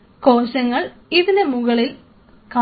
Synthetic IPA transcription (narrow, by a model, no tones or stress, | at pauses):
koːɕɐŋːɐɭiðɐlemuɣɐɭil | kɐ